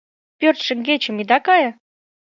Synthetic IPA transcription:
pʲørt̪ʃə̆ŋɡet͡ɕə̆mid̪ɑkɑjɤ̆

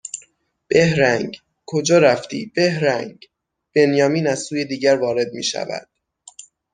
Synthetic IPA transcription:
b̥e̞hɾæŋɡ | kʰod͡ʒɒːɾæft̪ḭːb̥e̞hɾæŋɡ | b̥e̞njɒːmiːnæz̥suːje̞d̪iːɟæɾvɒːɾe̞d̪̚mḭːʃæ̰væ̰d̪̥

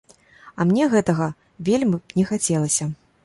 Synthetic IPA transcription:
ɐmnʲɛɣɛt̪ɐɣɐ | vʲelʲmʲnʲɛxat͡sʲɛlˠɐsʲɐ

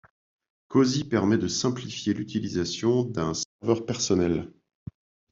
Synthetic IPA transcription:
kozipɛʁmɛd̪əsɛ̃plifjelyt̪ilizasjɔ̃d̪ɛ̃sɛʁvœʁpɛʁsɔnɛl

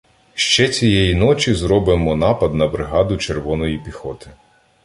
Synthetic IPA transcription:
ʃt͡ʃɛt͡sʲijɛjinɔt͡ʃʲizɾɔbɪmɔnɑpɐd̪nɐbɾɪɦɑd̪ʊt͡ʃerʋɔnɔjipʲixɔt̪ɪ̥

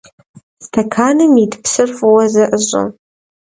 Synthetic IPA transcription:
stʰɐkʰaːnɨmidpsɨrfwɐzɐʔəɕʼɐ̰

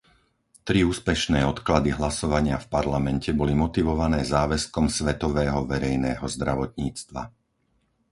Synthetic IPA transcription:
t̪ɾiuːspɛʃnɛːɔt̪klad̪iɦlasɔʋaɲɪafpaɾlamɛncɛbɔlimɔt̪iʋɔʋanɛːzaːʋɛskɔmsʋɛt̪ɔʋɛːɦɔʋɛɾɛjnɛːɦɔzd̪ɾaʋɔt̪ɲiːt͡st̪ʋa̰

